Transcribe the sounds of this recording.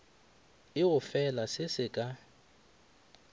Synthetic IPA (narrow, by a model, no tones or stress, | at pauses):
ɪʊfɛlasɪsɪkʼa